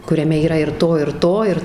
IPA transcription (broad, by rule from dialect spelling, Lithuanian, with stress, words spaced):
kʊrʲɛˈmʲɛ iːˈrɐ ɪr ˈtoː ɪr ˈtoː ɪr